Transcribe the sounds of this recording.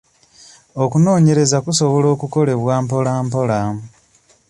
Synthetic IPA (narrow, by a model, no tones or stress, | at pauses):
okuno̞ːɲe̞ɾe̞zakuso̞βo̞lo̞ːkuko̞le̞βwaːmpo̞laːmpo̞laːmu